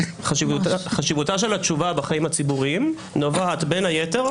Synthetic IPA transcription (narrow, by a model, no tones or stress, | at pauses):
χaʃivaχaʃivutaʃ̬e̞lat͡ʃuvabaχaimat͡sibuʁim | novaat̪be̞nhajete̞ʁ